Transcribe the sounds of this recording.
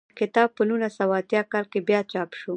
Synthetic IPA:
kɪt̪ɑb̚pənunasawːt̪jɑkɑlkebjɑt͡ʃɑpʃu

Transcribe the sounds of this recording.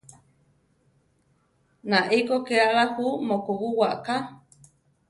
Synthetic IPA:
nãʔekokealahumokowuwaʔka

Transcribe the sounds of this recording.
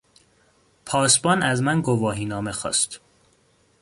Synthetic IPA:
pʰɒːsbɒːnæzmænɡovɒːɦiːnɒːmexɒ̰ːst̪

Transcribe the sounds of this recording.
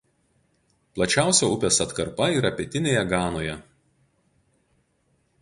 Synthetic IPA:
plˠɐt͡ʃʲæˑʊsʲoːʊpʲeːsɐt̪kɐɾpɐiːɾɐpʲɛt̪ʲɪnʲeːjɛɡɑːnoːjɛ

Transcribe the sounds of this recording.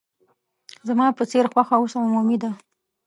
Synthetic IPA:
zamɑpət͡seɾxwaxausaʊmumid̪a

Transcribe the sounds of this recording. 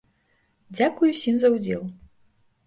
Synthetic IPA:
d͡zʲakujusʲimzɐwd͡zʲɛ̰lˠ

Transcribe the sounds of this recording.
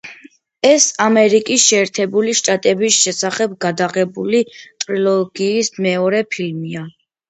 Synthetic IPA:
ɛsamɛɾikʼisʃɛːɾt̪ʰɛbuliʃt̪ʼat̪ʼɛbisʃɛsaχɛb̚ɡad̪aʁɛbulit̪ʼɾilˠɔɡ̥iːsmɛɔɾɛpʰilmia

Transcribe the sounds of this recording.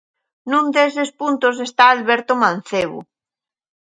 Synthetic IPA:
nũnd̪esespunt̪os̬est̪aːlβeɾt̪omãnθeβo̰

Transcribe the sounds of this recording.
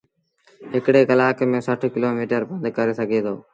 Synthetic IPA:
ɦɪkɽeːkəlaːkemẽːsəʈʰkɪloːmiːʈəɾbə̃nd̪ʱkəɾeːsəɡʱeːt̪ʰo̰ː

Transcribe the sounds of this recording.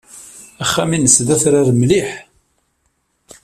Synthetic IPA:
æχːæminəsðæθɾaɾmliħ

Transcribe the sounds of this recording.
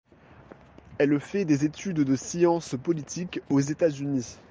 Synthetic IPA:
ɛlfɛd̪ezet̪yd̪d̪əsiɑ̃spɔlit̪ʰikozet̪azyni

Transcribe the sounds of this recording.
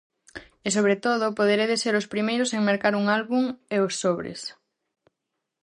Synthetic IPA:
es̬oβ̞ɾet̪oð̞ʊpoðeɾeðeseɾospɾimejɾʊseŋmeɾkaɾuŋalβuŋeosːoβɾḛs

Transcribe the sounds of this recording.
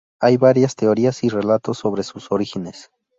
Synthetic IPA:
ajβaɾjast̪eoɾiasire̞lat̪o̞sːo̞βɾe̞susoɾixine̞s

